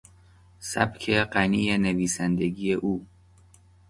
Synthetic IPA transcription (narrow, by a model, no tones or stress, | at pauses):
sæ̰bkʰeɢæniːjeneviːsænd̪eɡiːjeʔuː